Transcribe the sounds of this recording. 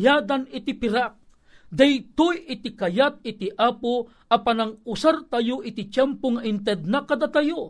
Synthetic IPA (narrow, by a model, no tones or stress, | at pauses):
jaːd̪anɪt̪ipɪɾak̚ | d̪ajt̪ojɪt̪ɪkɐjat̪̚ɪt̪iʔaːpo | ʔɐpanɐŋʊsaɾt̪ɐjoʔɪt̪ɪt͡ʃɛmpoŋɐʔɪnt̪ɛd̪̚nakɐd̪at̪ɐjo